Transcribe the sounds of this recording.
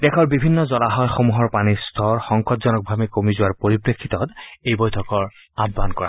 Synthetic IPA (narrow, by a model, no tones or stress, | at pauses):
d̥ɛkʰɔɹbibʱinːɔzɔlaɦɔjxomuɦɔɹpanist̪ʰɔɹxɔŋkɔtzɔnɔk̚bʱamikomizʊwaɹpoɹipɹekʰːit̪ɔtejbɔjtʰɔkɔɹ | abːankɔɹa̰